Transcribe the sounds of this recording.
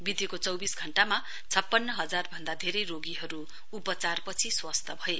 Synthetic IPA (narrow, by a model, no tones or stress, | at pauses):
bid̪ʱikot͡sʌwbisɡʱʌɳʈama | t͡sʰʌpːʌnːʌɦʌd͡zarbʱʌnd̪ad̪ʱeɾʌjroɡiɦʌɾu | upʌt͡sarpʌt͡sʰiswast̪ʰʌbʱʌe